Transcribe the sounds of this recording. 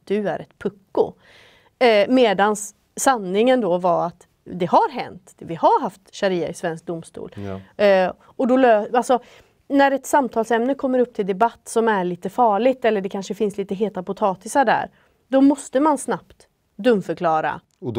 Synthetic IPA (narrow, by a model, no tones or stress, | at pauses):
d̪̥ʉæɾɛt̪pʰɵkːʊ̰ | meːd̪ansː | anːɪŋənd̪ɔvaɾat̪ | d̪ɛɦaɾɦɛnt̪vɪhaɾɦaft̪ɕaɾiːaɪsvɛnsk̚d̪ʊmst̪ṵːl | ɔd̪ɔløːalsɔ | næɾɛt̪samt̪ʰɑːlsɛmnəkʰɔmːəɾɵp̚ːt̪ʰɪld̪ɛbat̪ːsɔmæɭiːt̪əfɑːɭɪɡt̪ɛlːəɖɛkʰanʂəfɪnsliːt̪əɦeːt̪apʊt̪ʰɑːt̪ɪsaɖæ̰ːɾ | d̪ɔmɔst̪əmansnapt̪ | d̪ɵmfœɾkʰlɑːɾa̰